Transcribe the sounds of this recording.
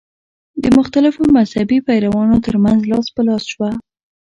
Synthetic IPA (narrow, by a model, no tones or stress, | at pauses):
d̪əmʊxt̪alɪfomazhabipajɾawɑnot̪əɾmanzlɑspəlɑsʃwa